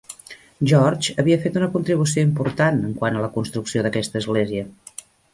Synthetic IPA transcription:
ʒɔrd͡ʒəβiəfet̪unəkunt̪ɾiβus̬ioimpuɾt̪anəŋkwanələkunst̪ɾuksioðəkɛst̪əːzɣleziə

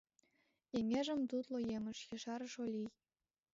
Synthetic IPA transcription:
emʲeʒɘ̆mt̪ut̪lˠojemɘ̆ʃjɤ̆ʃɑɾɤ̆ʃolʲij

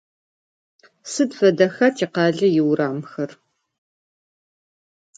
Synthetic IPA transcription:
sɨdfɐdɐxɐtʰiːqɑːɮɐjɪwɾaːmxɐr

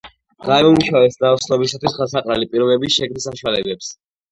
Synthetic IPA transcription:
ɡaɛumuʃavɛsd̪aɔsʰnɔbisat̪ʰwisχasaqʼɾalipʼiɾɔbɛbisʃɛɡnisaʃwalɛbɛps

